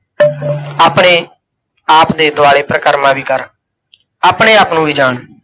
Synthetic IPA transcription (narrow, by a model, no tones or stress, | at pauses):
aːpɳ̃eː | aːpd̪eːd̪ʊaːɽeːpɾəkəɾmãːʋiːkəɾ | aːpɳeːaːpnũːʋiːd͡ʒaːɳ